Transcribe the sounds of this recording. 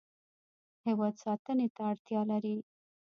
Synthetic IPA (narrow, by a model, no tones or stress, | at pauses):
hɪwɑd̪sɑt̪ənet̪aːɽt̪jɑlaɾi